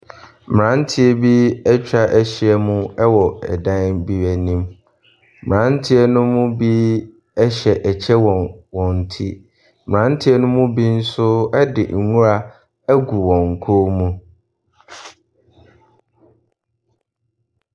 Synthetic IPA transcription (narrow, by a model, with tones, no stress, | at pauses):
m˨ɾã˦n̩˦tʰɪ˦ɛ˦˨bi˦ɛ˦t͡ɕᶣa˦ʔæ˦ɕi˨ɛ˦˨mũ˦ɛ˦wɔ˨ɛ̰˨dã˦n˦bi˦wæ˨nĩ˦m | mɪ˨ã˨˦n̩˦tʰɪ˦ɛ˦nʊ̃˦mʊ̃˦bi˦ | ɛ˦ɕɛ˨ʔɛ˨t͡ɕʰɛ˦wɔ̃˨nwɔ̃˨n̩˨tʰi˦ | mɪ˨ã˨˦n̩˦tʰɪ˦ɛ˦nʊ̃˦mʊ̃˦bi˦n̩˦sʊ˦ɛ˦dɪ̰˨ŋ̩˨ŋũ˦ɾa˨ | æ˦ɡu˨wɔ̃˨ŋ̩˨kʰo˦mũ˦